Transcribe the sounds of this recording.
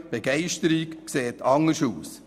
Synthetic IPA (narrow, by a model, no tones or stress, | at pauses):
b̥ɛɡɛɪʃtəɾikkseːtɑŋəʃuːs